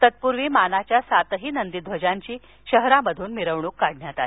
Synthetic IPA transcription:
t̪ət̪̚puɾʋiːmanat͡ɕjasat̪ɦiːnənd̪id̪ʱʋəd͡ʑaɲt͡ɕiː | ɕəɦɾaməd̪ʱuːnmiɾəʋɳukːaɽ̤ɳjat̪ai

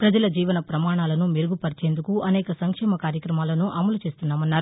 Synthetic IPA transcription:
pɾɐd͡ʒɐlɐd͡ʒiːʋɐnɐpɾɐmaːɳaːlɐnumiɾuɡupɐɾit͡ʃe̞ːnd̪ukuʔɐnɛːkɐsɐŋkʂɛːmɐkaːɾjɐkɾɐmaːlɐnuʔɐmɐlut͡ʃeːst̪unːaːmɐnːaːɾu

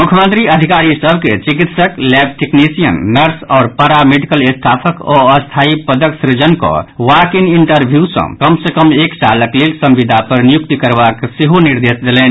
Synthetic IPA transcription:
mʊkʰjəmənt̪ɾiəd̪ʱikaɾisəbʱket͡ʃikit̪səklɛb̚ʈeknisijənːəɾsɔːɾpəɾameɖikəlest̪ʰaːpʰəkɔ̰əst̪ʰaːipəd̪əksɾid͡ʒənko̰ʋakiniɳʈəɾbʱjusɐ̰̃kəmsekəmeːkt͡ʃaləklelsə̃mʋid̪ʱapəɾnijuk̚t̪ikəɾbakseɦoniɾd̪eːsd̪elɛːn

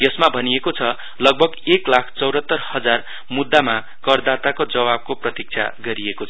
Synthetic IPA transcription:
jʌsmabʱʌniekot͡sʰʌ | lʌɡ̚bʱʌɡeklakʰt͡sʌwɾʌt̪ːʌrhʌd͡zar | mud̪ːama | kʌrd̪at̪akod͡zʌβab̚koprʌt̪ik̚t͡sʰa̰ɡʌɾiekot͡sʰ

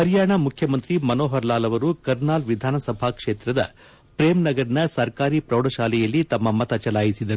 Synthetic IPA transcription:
ɦɐɾjaːɳɐmukʰjɐmɐnt̪ɾimɐnoːɦɐɾlaːlɐʋɐɾukɐɾnaːlʋid̪ʱaːnɐsɐbʱaːkʂeːt̪ɾɐd̪ɐ̰ | pɾeːmnɐɡɐɾɐnɐsɐɾkaːɾipɾɐwɽɐʃaːlɛjɐlːit̪ɐmːɐmɐt̪ɐt͡ʃɐlaːjisid̪ɐɾu

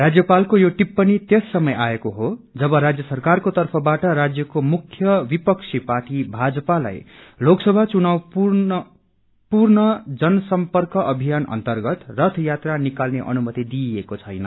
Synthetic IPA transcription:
rad͡zjʌpalkojoʈipːʌnipt̪jesːʌmʌjʔaekoɦod͡zʌbʌɾad͡zjʌsʌrkarkot̪ʌrpʰʌbaʈʌɾad͡zjʌkomukʰːjʌbipʌksʰipaʈibʱad͡zʌpala̰jloksʌbʱat͡sunawpu | purnʌd͡zʌnʌsʌmpʌrkʌʔʌbʱijanʔʌ̰nt̪ʌrɡʌt̪rʌt̪ʰjat̪ranikalneʔʌ̰numʌt̪id̪iekot͡sʰʌjnʌ

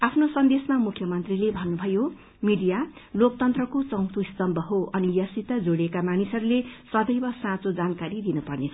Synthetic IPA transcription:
apʰnosʌnd̪esmamukʰjʌmʌnt̪rilebʱʌnːubʱʌjo | miɖijalokt̪ʌnt̪rʌkot͡sʌ̃wt̪ʰust̪ʌmbʱʌɦoʔʌnijʌsit̪ad͡zoɽekamanisʌɾulesʌd̪ʌjbʌsãt͡sod͡zankaɾid̪inʌpʌrnet͡sʰʌ

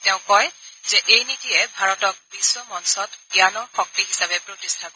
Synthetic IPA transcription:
tɛʊ̃kɔjz̥ɛʔejnitijɛbʱaɹɔtɔk̚biswɔmɔnsɔtbianɔɹxɔk̚tiɦisabɛpɹotistʰakɔ

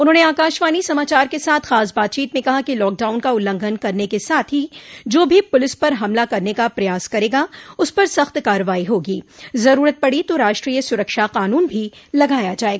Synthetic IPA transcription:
ʊnɦõːneaːkaːʃʋaːnisɐmaːt͡ʃaːɾkesaːt̪ʰxaːsbaːt̪̚t͡ʃiːt̪mẽkɐɦakilɔːk̚ɖaːʊnkaʊlːə̃ŋɡʱənkɐɾnekesaːt̪ʰɦid͡ʒoːbʱipʊlɪspɐɾɦɐmlakɐɾnekapɾɐjaːskɐɾeːɡaʊspɐɾsɐxt̪kaːɾəʋaːiɦoːɡiːzɐɾuːɾət̪̚pɐɽit̪oɾaːʃʈɾiːjəsʊɾəkʃaqaːnuːnbʱilɐɡaːjad͡ʒaːeːɡaː

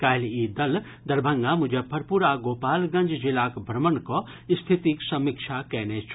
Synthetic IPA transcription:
kaːjlid̪ɐl | d̪ɐɾbʱə̃ŋɡamʊd͡ʒʱepʰɐɾpuɾaɡoːpaːlɡɐ̃ɲd͡ʒd͡ʒilaːkbʱɾɐmənko | st̪ʰit̪iksɐmikʃʰakɛːnet͡ʃʰ

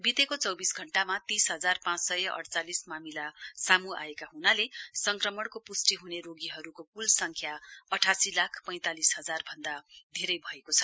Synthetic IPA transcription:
bit̪ekot͡sʌwbisɡʱʌɳʈamat̪isɦʌd͡zarpãt͡ssʌjʌʔʌ̰ɽt͡salismamilasamua̰ekaɦunalesʌŋkrʌmʌɽkopusʈiɦuneɾoɡiɦʌɾukokulsʌŋkʰjaʌʈʰasilakʰpʌj̃t̪alisɦʌd͡zarbʱʌnd̪ad̪ʱeɾʌjbʱʌekot͡sʰʌ̥

